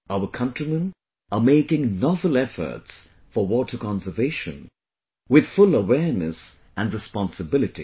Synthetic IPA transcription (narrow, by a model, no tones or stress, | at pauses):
aʊəkʰʌ̃ntɹ̥imə̃n | ʔəmeɪkɪ̃ŋnɑvəlˠɛfə̰˞ts | fə˞wɔtʰə˞kɑ̃nsə˞veɪʃɨ̰̃n | wɪð̥fʊləwɛɹnɨs | ʔæ̃nɹɨspɑ̃nsɨbɪlɨtḭ